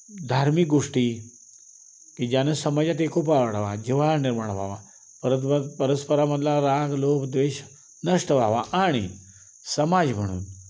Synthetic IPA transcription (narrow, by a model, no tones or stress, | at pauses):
d̪ʱaɾmik̚ɡoʂʈiː | kid͡ʑjanesəmad͡ʑjat̪̬ekop̬aʋəɽʋad͡ʑiʋalaniɾmaɳ̃ʋʱa̰ʋa | pəɾət̪məpəɾəspəɾaməd̪ʱlaɾaɡloːkd̪ʋeːɕ | nəʂʈəʋaʋaʔaɽ̃ḭ | səmad͡zm̤əɽ̃ṵːn